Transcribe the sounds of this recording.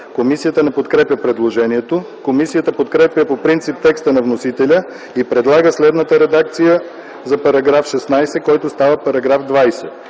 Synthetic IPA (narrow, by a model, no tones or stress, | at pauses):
komisijət̪ənɛpot̪kɾɛpʲjəpɾɛd̪lˠoʒɛniɛt̪o | komisijət̪əpot̪kɾɛpʲjəpopɾint̪sip̚t̪ɛkst̪ənɐvnosit̪ɛlʲə | ipɾɛd̪lˠaɡəslɛd̪nət̪əɾɛd̪ak̚t̪sijə | zɐpɐɾɐɡɾafʃɛsnajsɛkɔjt̪ʊst̪avəpɐɾɐɡɾafd̪vajsɛ